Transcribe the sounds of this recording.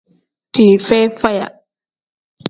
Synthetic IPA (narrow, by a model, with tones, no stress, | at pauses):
t̪ʰiː˨fe˦fa˦˧ja̰˨